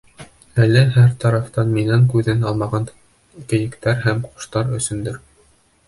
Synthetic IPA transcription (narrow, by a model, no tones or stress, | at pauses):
ælːæɦæɾt̪ɑɾɑft̪ɑnminæŋkʉðɘnɑlˠmɑʁɑn | kɘ̆jɘ̆kt̪æɾɦæmqŏ̥ʃt̪ɑɾɵ̆sɵ̆nd̪ɘɾ